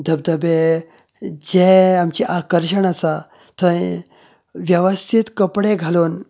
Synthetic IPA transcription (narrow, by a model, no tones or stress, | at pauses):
d̪ʱəb̚d̪əbe | d͡ʑeamt͡ɕiʔakəɾɕəɳasa | t̪ə̃ | ʋjəʋəst̪ʰit̪kəpɽeɡʱalon